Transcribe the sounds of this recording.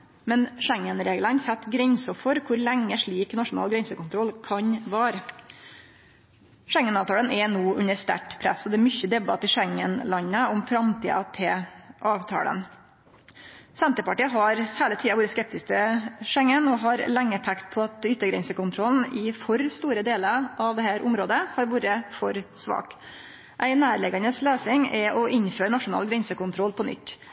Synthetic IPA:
mɛnʂɛŋːənɾeːɡlənsɛt̪ːɡɾɛɲsɔfɔɾkʰʊɾlɛŋːəʂɭiːknɑʂʊnɑ̰ːlɡɾɛnsəkʊnt̪ʰɾɔlkʰɑɲʋæːɾ | ʂɛŋːənɑːʋt̪ʰɑːlənɛnoːʔʉ̰nəɾst̪æ̰ʈpʰɾæ̰sːɔd̪ɛːɾmʏçəd̪ɛbɑt̪ːɪʂɛŋːənlɑɲːəɔmfɾɑmt̪ʰḭːɑ̰t̪ʰɛʔɑːʋt̪ʰɑ̰ːlə̰n | sɛnt̪əpɑʈiːəɦɑɾheːlət̪ʰiːɑʋuːɾəskɛp̚t̪ɪsk̚t̪ʰɪʂɛŋːənɔɦɑɾlɛŋːəpʰɛkt̪̚pʰɔɑt̪ʏt̪ːəɾɡɾɛ̰nsəkʊnt̪ʰɾɔln̩ɪfɔɾst̪uːɾəd̪eːləɾʔɑʋd̪ɛhæːɾʔʊmɾoːd̪əhɑɾʋuːɾəfɔɾsʋɑ̰ːk | ʔæɪnæːɾɭɛɡɑnəsleːsɪŋɛʔɔʔɪɲføːɾɳɑʂʊnɑ̰ːlɡɾɛnsəkʊnt̪ʰɾɔlpʰɔnʏ̰t̪ː

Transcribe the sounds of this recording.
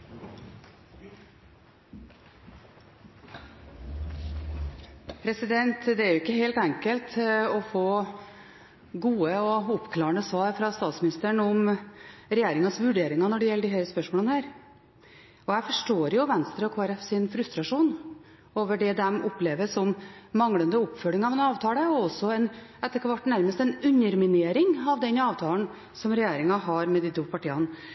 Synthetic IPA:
pʰɾɛsɪd̪ɛnt̪d̪ɛæɾjʊɪkːəɦeɪlt̪ɛŋkəlt̪ɔfoː | ɡuːəɔʊpkʰlɑːəɳəsʋɑːɾfɾɑst̪ɑːt̪smɪnɪst̪əɳɔm | ɾɛjeːɾɪŋɑsʋʉɖeːɾɪŋɑnɔɖɛjɛlːəɖɪhæːləspœʂmoːlənəhæːɾ | ɔjæɪfɔʂʈoːɾjʊʋɛnst̪ɾəɔkʰoːæɾɛfsɪnfɾʉst̪ɾɑʂuːn | oːʋəɖɛd̪ɛmʊpleːʋəsɔmːɑŋɽənd̪əʊpːfœlɪŋɑʋɛnɑːʋt̪ʰɑːləɔɔsːɔɛnɛt̪ːəkʋɑʈːnæɾməst̪ɛnʉɲːəɾmɪneːɾɪŋɑʋd̪ɛnɑːʋt̪ʰɑːln | sɔmɾɛjeːɾɪŋɑɦɑɾmɛd̪iːt̪ʰuːpʰɑʈiːɑn

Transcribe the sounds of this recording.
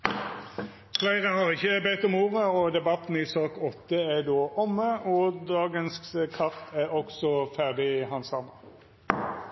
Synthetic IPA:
flæɪʁəhɑʁɪçːəbɛɪt̪ɔmuːʁəɔːd̪ɛbɑt̪n̩ɪsɑːkɔt̪ːəæd̪oːʔɔmːəɔd̪ɑːɡənskkʰɑʁt̪ʰæɔksɔfæʁd̪ɪhɑnsɑnə

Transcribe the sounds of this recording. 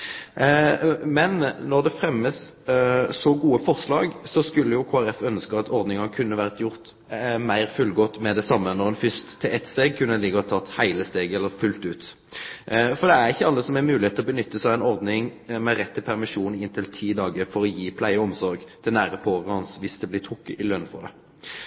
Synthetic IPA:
mɛnːɔʁd̪ɛfɾɛmːəsː | ɔɡuːəfɔʁslɑːɡsɔskʉlːəjʊkʰoːæɾɛfœnskəɑt̪ɔɾd̪nɪŋɑnkʰʉnːəʋæːʁt̪ʰjʊʁt̪ | mæɪʁfʉlɡɔt̪ːmɛd̪ɛsɑmːənɔʁɛnfʏst̪ʰːɪlɛt̪st̪eːɡ̚kʰʉnːəd̪ɛliːɡəʁhɑt̪ʰɑt̪ːhæɪləst̪eːɡɛlːəɾfʉlt̪ʉːt̪ | fɔɾd̪ɛæʁɪçːəɑlːəsɔmɛmʉːlɪeːt̪ʰːlɔbənʏt̪ːəsɑʋæɪnɔʁd̪nɪŋmɛɾɛt̪ʰːɪlpʰæʁmɪʂuːnɪnt̪ʰɪlt̪ʰiːd̪ɑːɡəfɔɾɔjiːpʰlæɪəɔmsɔɾɡt̪ʰɪlnæːʁəpʰoːʁəhɑnsʋɪsd̪ɛblɪt̪ʰʁʊkːə̰ʔɪlønn̩fɔ̰ʁd̪ɛ̰

